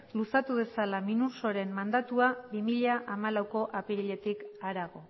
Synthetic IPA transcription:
lusat̪uβ̞e̞salaminuso̞ɾe̞mmand̪at̪uabimiʎaʔamalawko̞ʔapiɾiʎe̞t̪ikaɾaɣ̞o̞

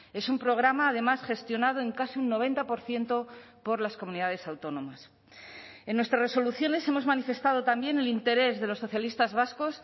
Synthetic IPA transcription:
e̞sumpɾo̞ɣ̞ɾamaːðe̞masχe̞st̪jo̞nað̞o̞e̞ŋkasiunːo̞β̞e̞nt̪apo̞ɾθje̞nt̪o̞ | po̞ɾlaskomũniðað̞e̞sawt̪o̞nõ̞mas | e̞nːwe̞st̪ɾasreso̞luθjo̞ne̞se̞mo̞zmanife̞st̪að̞o̞t̪ambje̞ne̞lint̪e̞ɾe̞zðe̞lo̞sːo̞θjalist̪azβasko̞s

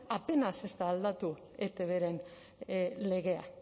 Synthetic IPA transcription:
ape̞nase̞st̪aːld̪at̪u | et̪eβeɾe̞n | le̞ɣ̞e̞a̰

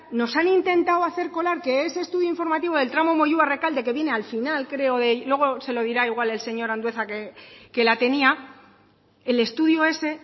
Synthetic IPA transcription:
no̞sanint̪e̞nt̪awaθe̞ɾko̞laɾke̞ese̞ːst̪uðjoiɱfo̞ɾmat̪iβo̞ðe̞lt̪ɾamo̞mo̞ʝuare̞kald̪e̞ke̞βje̞ne̞alfinalkɾe̞o̞ðe̞lwe̞ɣ̞o̞se̞lo̞ð̞iɾaiɣ̞wale̞lse̞ɲo̞ɾand̪we̞θakeke̞lat̪e̞nia | ele̞st̪uðjoe̞se̞

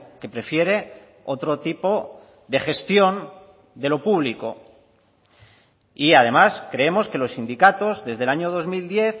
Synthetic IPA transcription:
ke̞pɾe̞fje̞ɾe̞ | o̞t̪ɾo̞t̪ipo̞ | ðe̞xe̞st̪jo̞n | d̪e̞lo̞puβ̞liko̞ | iað̞e̞maskɾe̞e̞mo̞ske̞lo̞sːind̪ikat̪o̞zðe̞zðe̞laɲo̞ð̞o̞zmild̪je̞θ

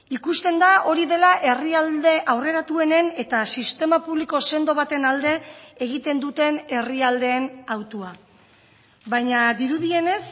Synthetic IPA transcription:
ikust̪e̞nd̪ao̞ɾiðe̞laʔe̞riald̪e̞ʔawre̞ɾat̪ue̞ne̞ne̞t̪asist̪e̞mapuβliko̞se̞nd̪o̞β̞at̪e̞nald̪e̞eɣ̞it̪e̞nd̪ut̪e̞ne̞riald̪e̞ːnawt̪ua | βajɲad̪iɾuðie̞ne̞s

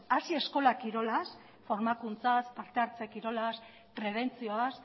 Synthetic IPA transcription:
asie̞sko̞lakiɾo̞las | fo̞ɾmakunt͡saspaɾt̪e̞aɾt͡sekiɾo̞las | pɾe̞βe̞nt͡sio̞as

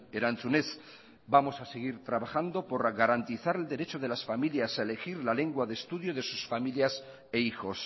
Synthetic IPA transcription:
eɾant͡sunes | bamo̞saseɣ̞iɾt̪ɾaβaxand̪o̞po̞ɾɣaɾant̪iθaɾe̞ld̪e̞ɾe̞t͡ʃoð̞e̞lasfamiljasaele̞xiɾlale̞ŋɡwaðest̪uðjoð̞e̞susfamiljas | eixo̞s

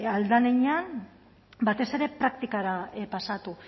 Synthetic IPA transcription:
ald̪aneɲan | bat̪e̞se̞ɾe̞pɾak̚t̪ikaɾapasat̪u

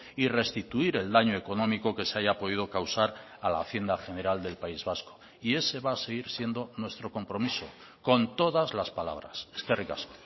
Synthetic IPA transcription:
ire̞st̪it̪uiɾe̞ld̪aɲoe̞ko̞nõ̞miko̞ke̞seaʝapoð̞iðo̞kawsaɾ | ala̰ːθje̞nd̪axe̞ne̞ɾald̪e̞lpaizβasko̥ | ie̞se̞βaːse̞ɣ̞iɾsje̞nd̪o̞nwe̞st̪ɾo̞ko̞mpɾo̞miso̞ | ko̞nt̪o̞ðazlaspala̰β̞ɾa̰sskeriɣaso

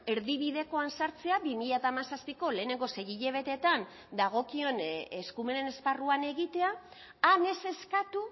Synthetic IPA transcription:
e̞ɾðiβ̞iðe̞ko̞ansaɾt͡se̞aβimiʎat̪amasaspiko̞le̞ːne̞ŋɡo̞se̞ɣiʎe̞β̞e̞t̪e̞t̪an | d̪aɣ̞o̞kio̞ne̞skume̞ne̞ne̞sparuane̞ɣit̪e̞aː | ne̞se̞skat̪u

